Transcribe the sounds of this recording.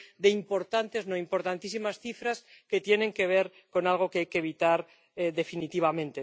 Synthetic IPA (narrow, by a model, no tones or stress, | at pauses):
d̪e̞impo̞ɾt̪ant̪e̞znoimpo̞ɾt̪ant̪isimasθifɾas | ke̞t̪je̞nẽ̞ŋkeβ̞e̞ɾ | ko̞nalɣ̞o̞keajkeβ̞it̪aɾ | eðe̞finit̪iβ̞amẽ̞nt̪e